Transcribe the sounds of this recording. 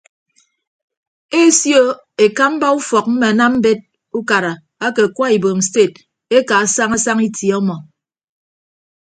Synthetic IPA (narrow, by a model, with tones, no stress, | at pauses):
e˦sjo˦ | e˨ka˦m̩˦ba˦u˦fɔ˨k̚m̩˦me˨a˨na˦m̩˦be˦t̚ | u˦ka˨ɾa˨ | a˦ke˨a˨kwa˦i˨bo˨m̩˨ste˦˨t̚ | e˦ka˨a˨sa˦ŋa˦sa˦ŋi˦tjɔ˦mɔ˨